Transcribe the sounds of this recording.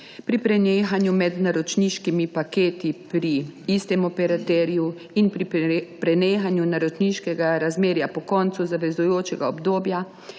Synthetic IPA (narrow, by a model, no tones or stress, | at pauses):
pɾipɾɛneːxanjumɛd̪naɾɔt͡ʃniʃkimipakeːt̪ipɾiist̪ɛmɔpɛɾat̪ɛɾiju | inpɾipɾɛneːxanjunaɾɔt͡ʃniʃkɛɡaɾazmeːɾjapɔkɔnt̪suzaʋɛzujoːt͡ʃɛɡaɔbd̪oːbja